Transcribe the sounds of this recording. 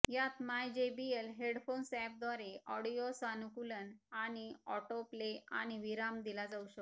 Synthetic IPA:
jat̪majd͡ʑebielɦeɽfonsɛp̚d̪aɾeɔɽijosanukulənaɽ̃iɔ̰ʈoplea̰ɽ̃iʋiɾamd̪ilad͡zauɕək

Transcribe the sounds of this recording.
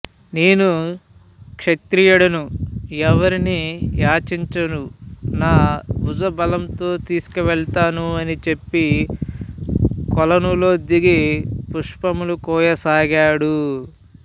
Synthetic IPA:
neːnu | kʂɐt̪ɾiːjɐɽɐnuɛʋɐɾinijaːt͡ʃiɲt͡ʃɐnunaːud͡ʒɐbɐlɐmt̪o̞ːt̪iːsu̥kiʋɛɭt̪aːnuɐnit͡ʃe̞pːi | kɔlɐnulo̞ːd̪iɡipuʂpɐmulukɔːjɐsaːɡaːɽu

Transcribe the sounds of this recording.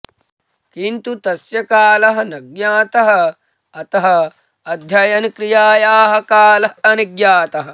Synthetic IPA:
kint̪ut̪ɐsjɐkaːlɐɦɐnɐɡjaːt̪ɐɦɐ̆ | ɐt̪ɐɦɐ̆ | ɐd̪ʱjɐjɐnkɾijaːjaːɦɐ̆kaːlɐɐniɡjaːt̪ɐɦɐ̆

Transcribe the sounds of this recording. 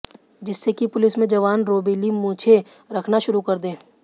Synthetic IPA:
d͡ʒɪsːekipʊlɪsmẽd͡ʒɐʋaːnɾoːbeːlimũːt͡ʃʰe | ɾɐkʰnaʃʊɾukɐɾd̪ẽː

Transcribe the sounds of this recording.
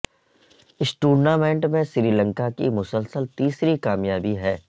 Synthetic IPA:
ɪsʈuːɽnaːmẽɳʈmẽsɾiːlə̃ŋkakimʊsəlsəlt̪iːsɾikaːmjaːbiɦɛː

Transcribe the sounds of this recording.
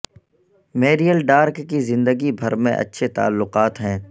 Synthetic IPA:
meːɾijəlɖaːɾkːizɪ̃nd̪əɡibʱɐɾmḛ̃ʔɐ̰tːʃʰet̪a̰ːlːʊqaːt̪ɦɛ̃ː

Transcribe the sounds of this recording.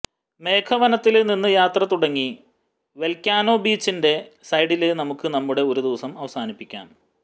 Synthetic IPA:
me̞ːkʰɐʋɐnɐt̪ːilninːɨjaːt̪rɐt̪uɽɐŋːi | ʋe̞lkʲːaːno̞ːbiːt͡ɕːinde̞sɐjɽilɨnɐmukːɨnɐmːuɽe̞o̞ɾud̪iʋɐsɐmɐʋɐsaːnipːikʲːa̰ːn

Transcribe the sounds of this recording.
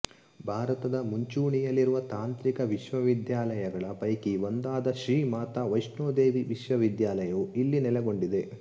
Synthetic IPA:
bʱaːɾɐt̪ɐd̪ɐmuɲt͡ʃuːɳijɐlːiɾuʋɐt̪aːnt̪ɾikɐʋiʃʋɐʋid̪jaːlɐjɐɡɐɭɐpɐjkiʋond̪aːd̪ɐʃɾiːmaːt̪ɐʋɐjʂnoːd̪e̞ːʋiʋiʃʋɐʋid̪jaːlɐjɐuilːinɛlɛɡo̞ɳɖid̪e̞

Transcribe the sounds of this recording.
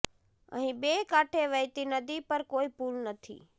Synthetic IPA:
ə̰ɦĩbeːkaːʈʰeʋəjt̪inəd̪ipəɾkoːipuːlnət̪ʰḭː

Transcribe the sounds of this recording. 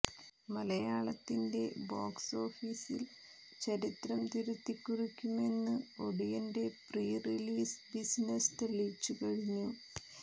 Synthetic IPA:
mɐlɐjaːɭɐt̪ːinde̞̰boːkso̞ːfiːsil | t͡ɕɐɾit̪rɐmt̪iɾut̪ːikʲːurikʲːume̞nːɨo̞ɽijɐnde̞priːriliːsbisnest̪riɭiːt͡ɕːukɐɻiɲːu

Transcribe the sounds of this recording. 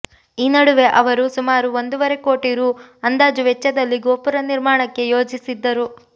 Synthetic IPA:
iːnɐɽuʋe̞ʔɐʋɐɾusumaːɾuʋond̪uʋɐɾe̞ko̞ːʈiɾuɐnd̪aːd͡ʒuʋɛt͡ʃːɐd̪ɐlːiɡoːpuɾɐniɾmaːɳɐkːe̞jo̞ːd͡ʒisid̪ːɐɾu

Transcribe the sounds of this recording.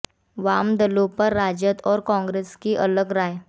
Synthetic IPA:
ʋamd̪əlopəɾːad͡ʒjət̪ʰɔːɾkɔ̃ŋɡɾeskiʔələɡɾaːj

